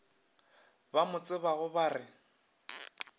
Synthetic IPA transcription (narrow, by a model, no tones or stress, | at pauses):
bamʊt͡sʼɪβaɣʊbarɪ